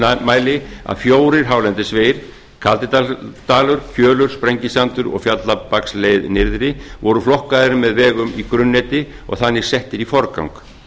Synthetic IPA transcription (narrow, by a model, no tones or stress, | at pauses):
maːjlɪa̰ðfjoːwɾɪɾ̥ɦaːwlɛnt̪ɪsveːjɾ̥ | kʰalt̪ɪt̪at̪aːlʏɾfjœːlʏɾ̥spɾɛɲcɪsant̪ʏɾɔ̰ɣfjat̪lapakslejðnɪɾðɾɪvɔɾʏflɔhkaðɪɾʏmːɛðvɛːɣʏmikɾʏnːɛt̪ɪ | ɔ̰ɣθanːɪ̥sɛht̪ɪɾifɔɾka̰wŋk